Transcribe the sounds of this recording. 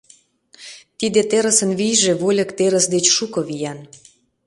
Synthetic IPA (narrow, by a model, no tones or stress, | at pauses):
t̪id̪ĕt̪eɾə̆sə̆nβijʒeβolʲə̆kt̪eɾə̆sd̪et͡ɕʃukoβijɑn